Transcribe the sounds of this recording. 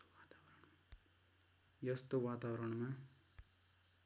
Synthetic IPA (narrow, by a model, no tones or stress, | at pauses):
at̪awɾ | jʌst̪owat̪awʌɾʌɽma